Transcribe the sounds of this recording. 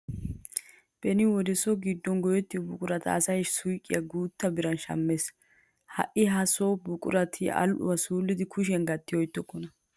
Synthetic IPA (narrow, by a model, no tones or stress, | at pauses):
b̥ɛnɪwɔd̪ɛsɔɡɪd̪ːɔnɡɔjɛt̪ːɪbʊkʼʊɾɐt̪ɐ̰ːsɐjʃsʊjkʼːɪjɐɡuːt̪ːɐbɪɾɐnʃɐ̰mːes | hɐ̰ʔɪɦɐsobʊkʼʊɾɐt̪ʰɪɐ̰lʔʊ̰wɐsuːlːɪd̪ɪkʰʊʃ̬ɛnɡɐt̪ːɪjɔjɪt̪ːɔkʼːɔnɐ